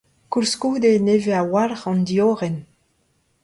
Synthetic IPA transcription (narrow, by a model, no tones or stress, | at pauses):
kulskuːd̪eneːveawalʁɑ̃nd̪ioːʁɛn